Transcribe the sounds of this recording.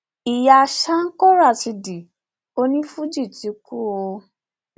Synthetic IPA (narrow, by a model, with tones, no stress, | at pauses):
i˨ja˧˨ʃa˦ŋ̩˦kɔ˦ɾa˦˨ti˧di˨ | o˦nĩ˦fu˦d͡ʒi˦˨ti˨˧ku˦o˧